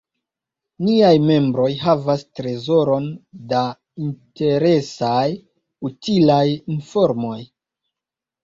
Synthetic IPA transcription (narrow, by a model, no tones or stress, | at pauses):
niajme̞mbɾo̞jɦavastɾe̞zo̞ɾo̞nda | inte̞ɾe̞saj | utilajinfo̞ɾmo̞j